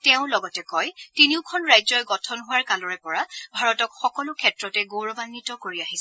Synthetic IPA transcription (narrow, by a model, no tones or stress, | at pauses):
tɛʊ̃lɔɡɔtɛkɔjtiniʊkʰɔnɹajzɔjɡɔtʰɔnɦuwaɹkalɔɹɛpɔɹabʱaɹɔtɔkxɔkɔlʊkʰɛtɹɔtɛɡowɹɔbanːitɔkoɹiaɦisɛ